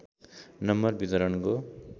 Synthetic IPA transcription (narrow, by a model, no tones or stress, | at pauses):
nʌmːʌrbit̪ʌɾʌnko